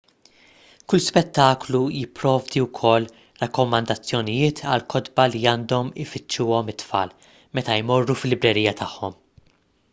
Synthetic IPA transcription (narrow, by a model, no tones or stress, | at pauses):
kʊlspɛt̪ːɐːklujɪpːɾɔːvd̪iwkʰɔlː | ɾɐkːɔmɐnd̪ɐt͡sːjɔnɪjɪːt̪ʰɐ̰lkʰɔd̪bɐliɐːnd̪ɔmɪfɪt͡ʃːuːɔmɪt̪ːfɐ̰ːl | mɛt̪ɐjmɔrːufɪlːɪbɾɛɾiːjɐt̪ʰɐħːɔ̰m